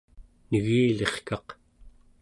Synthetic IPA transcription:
nəɣiːle̞χkɑq

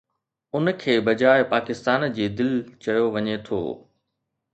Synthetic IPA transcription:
ʊnkʰeːbɐd͡ʑaːɪpaːkɪst̪aːnd͡ʑeːd̪ɪlt͡ɕɐjoʋɐɲet̪ʰo̰ː

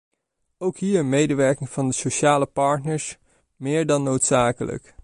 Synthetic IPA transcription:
owkɦiːɹənmejdəʋɛɹkɪŋv̥ɑndəsoʃaːləpɑɹtnəɹs | mɪːɹdɑnːowtsaːkələ̰k

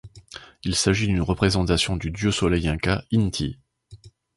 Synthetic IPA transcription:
ilsaʒid̪ynʁəpχezɑ̃t̪asjɔ̃d̪yd̪jøsɔlɛjɛ̃kaint̪ʰi

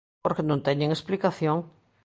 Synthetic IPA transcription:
oɾkenõnt̪ɛɲẽŋesplikaθjõŋ

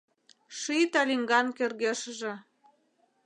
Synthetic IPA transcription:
ʃit̪ɑlʲiŋɡɑnkerɣeʃəʒĕ

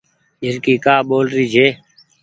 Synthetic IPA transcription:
ɪɾkiːkaːɓoːlɾiːd͡ʒʱeː

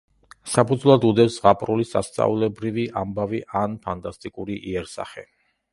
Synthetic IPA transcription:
sapʰud̪zvlˠad̪ud̪ɛsʁapʼɾulisa̰st̪sʼa̰ulɛbɾiviʔambaviʔanpʰant̪ʼast̪ʼikʼuɾiʔiɛɾsa̰χɛ

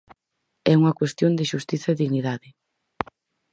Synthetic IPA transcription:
ɛuŋɐkwest̪jond̪ɪʃust̪iθɐeðiɣniðaðɪ

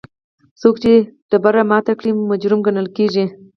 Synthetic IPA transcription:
sokt͡ʃeɖ̥̪əbaɾamɑt̪akɽimad͡ʒɾʊmɡanəlkeʒi

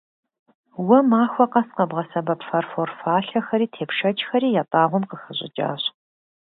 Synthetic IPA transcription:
wɐmaːxʷɔqɐsqɐbʁɐsɐbɐpfɐrforfaːɬɐxɐɾiːtʰeːpʂɐt͡ʃʼxɐɾiːjaːtʼaːʁʷʊmqəxəɕʼɪ̰t͡ʃʼa̰ːɕ

